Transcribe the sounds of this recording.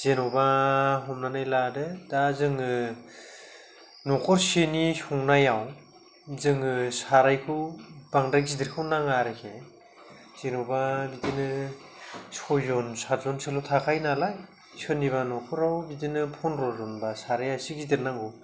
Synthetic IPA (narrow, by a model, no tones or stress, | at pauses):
z̥enɔbaɦɔmnanajladɯdazɯŋɯ | nɔkʰɔɾsenisuŋnajaw | zɯŋɯsaɾajkʰubaŋdajzidiɾkʰawnaŋaɾɯkʰe | z̥enɔbabidinɯ | sɔzɔnsaɾzɔnselɔtʰakʰajnalaj | sɯniβanɔkʰɔɾawbidinɯpʰɔnɾɔzɔnbasaɾajasikzidiɾnaŋɡɯ